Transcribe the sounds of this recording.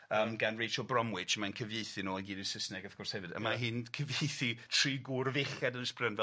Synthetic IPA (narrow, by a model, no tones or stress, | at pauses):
əːmɡanrejʃəlˠbrɔmwɪt͡ʃəmankʰəvjejθɨnoːəɡiːdɪsəsnɛɡafɡ̥ʊrshɛvɨdə̰maɦɪnkʰəvjejθitʰr̥iːɡurveχɛdənəsprənvɛ